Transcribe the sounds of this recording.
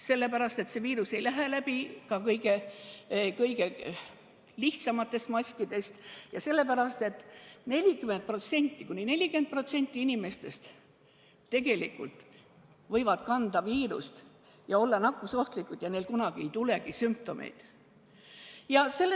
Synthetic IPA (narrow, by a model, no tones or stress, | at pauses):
se̞lːepæɾɑst̪e̞t̪se̞viːɾuse̞jlæɦelæbikɑkɤjɡ̥e̞ | kɤjɡe | liht̪sɑmɑt̪ːˑe̞st̪mɑsʲkid̪̥e̞st̪jɑse̞lːe̞pæɾɑst̪e̞t̪ːˑne̞lʲikyment̪̚pro̞t̪se̞nʲt̪ːˑikunʲine̞lʲikent̪̚pro̞t̪se̞nʲt̪ˑːiinime̞st̪e̞st̪ | t̪ːe̞ɡe̞likːult̪ | vɤ̞jvɑd̪̥kɑnd̪ɑviːɾṵst̪ | jɑo̞lːɑnɑkːuso̞ht̪likːˑut̪jɑnelkunɑɡ̥ie̞jt̪ule̞ɡ̥isymp̚t̪o̞mʔḛjd̪̥ | jɑse̞